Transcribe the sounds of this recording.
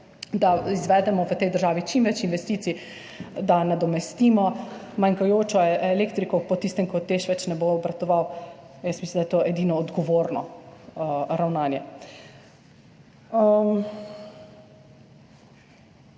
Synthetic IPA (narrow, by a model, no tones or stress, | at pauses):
d̪aizʋɛd̪ɛmɔʋət̪ɛjd̪əɾʒaːʋit͡ʃimʋɛt͡ʃinʋɛst̪iːt̪si | d̪anad̪ɔmɛst̪iːmɔmaŋkajoːt͡ʃɔɛleːkt̪ɾikɔpɔt̪ist̪ɛmkɔt̪ːeʃʋɛt͡ʃnɛboːbɾat̪ɔʋawjəsmislimd̪ajɛt̪oʔɛd̪inɔːd̪ɡɔʋoːɾnɔ | ɾawnaːnjɛ